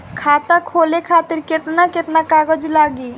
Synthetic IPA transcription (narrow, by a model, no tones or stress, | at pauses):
kʰaːt̪akʰoːlekʰaːt̪ɪɾkɪt̪nakɪt̪nakaːɡəd͡ʒlaːɡiː